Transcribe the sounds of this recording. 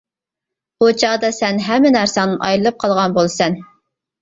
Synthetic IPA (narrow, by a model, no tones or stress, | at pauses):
χot͡ʃʰɑd̪ɑsɛnɦɛmːɪnæɾsɑnɨnʔɑ̰jlɨlˠɨp̚qʰɑlˠʁɑnbolˠsɛn